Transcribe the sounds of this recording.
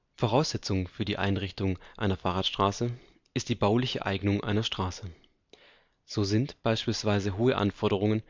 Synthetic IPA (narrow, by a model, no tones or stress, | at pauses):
foʁ̞aʊsz̥ɛt͡sʊŋfyːɐdiːʔa̰ɪnʁɪçtʊŋʔa̰ɪnɐfaːʁaːtʃtʁ̥aːsə | ʔɪst̚d̥iːbaʊlɪçə̰ʔa̰ɪɡnʊŋʔa̰ɪnɐʃtʁ̥aːsə | z̥oːzɪntb̥aɪʃpiːlsv̥aɪzəɦoːəʔa̰nfɔɐɾəʁ̞ʊŋən